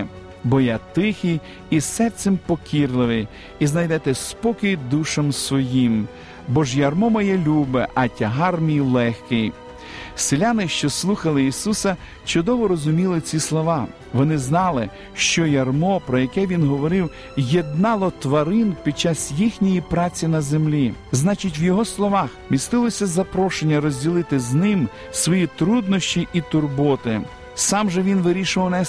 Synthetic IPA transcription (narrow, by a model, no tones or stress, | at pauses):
bɔjat̪ɪxijː | sɛrsʲɛmpɔkʲirlˠɪʋɪj | iznɐjd̪ɛt̪ɛspɔkɪjd̪uʃɐmsʋɔjim | bɔʒjɐrmɔmɐjɛlʲubɪʔɐtʲɐɦɑrmʲijlˠɛxkɪj | sɪlʲanɪʃt͡ʃɔslˠuxɐlˠɪisusɐ | t͡ʃʊd̪ɔʋɔɾɔzʊmʲilˠɪt͡sʲislˠɔʋɑ | ʋɔnɪznɑlˠɪ | ʃt͡ʃɔjɐrmɔpɾɔjɐkɛʋʲinɦɔʋɔɾɪw | jed̪nɑlˠɔt̪ʋɐɾɪnpʲid̪̚t͡ʃːɑsjixnʲijipɾɑt͡sʲinɐzemlʲiznɑt͡ʃitʲʋjɔɦɔslˠɔʋɑxmʲist̪ɪlˠɔsʲɐzɐpɾɔʃenʲːɐɾɔzʲdʲilˠɪt̪ɪznɪm | sʋɔjit̪ɾud̪nɔʃʲt͡ʃʲiʔit̪ʊrbɔt̪ɪ | sɑmʒɛʋʲinʋɪɾʲiʃʊʋɐwnɛ